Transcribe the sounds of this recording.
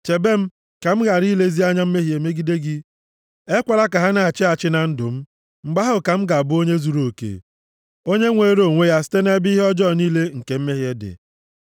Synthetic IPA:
t͡ʃe˨be˦m̩˦ | ka˨m̩˦ɣa˨ɾi˦le˦zi˦a˦ɲa˦m̩˦me˦ɦi˨e˨me˦ɡi˦de˦ɡɪ˦ | e˦kʷa˨la˦ka˨ɦa˦na˨a˨t͡ʃɪ˦a˨t͡ʃɪ˦na˨n̩˦dʊ˨m̩˦ | ŋ͡m̩˨ɡ͡ba˦ɦʊ˦ka˨m̩˦ɡa˨bʊ˦o˦ɲe˦zu˨ɾo˨kḛ˨ | o˦ɲe˦ŋʷe˨˦ɾo˨ŋʷe˦ja˦sɪ̥˦te˦ne˦bi˦ɦɔ˦d͡ʒɔ˦˨niː˦le˦ŋ̩˨ke˨m̩˦me˦ɦje˦dɪ̰˨

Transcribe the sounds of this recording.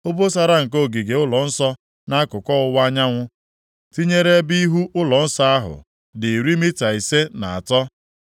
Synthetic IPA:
o˦bo˦sa˦ɾa˦ŋ̩˨k̬o˦˨ɡi˨ɡe˨ʊ˦lɔ˨n̩˦sɔ˦ | na˦kʊ˨kʷɔ˦ʊ˦wa˦ɲa˦ŋʷʊ˦ | ti˦ɲe˦ɾe˦bi˦ɦu˦ʔʊ˦lɔ˨n̩˦sa˦a˦ɦʊ̰˨ | dɪ˨ɾi˦mi˦ta˨i˨se˦na˨a̰˨tɔ˦

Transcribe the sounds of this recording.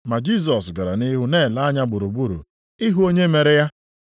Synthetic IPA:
ma˨d͡ʒi˦˨s̬ɔ˨s̬ɡa˨ɾa˨nɪ˦ɦʊ˦ne˦˨la˦a˦ɲa˦ɡ͡bu˨ɾu˨ɡ͡bu˦ɾṵ˨ | ɪ˦ɦu˦o˦ɲe˦me˨ɾe˦ja˦

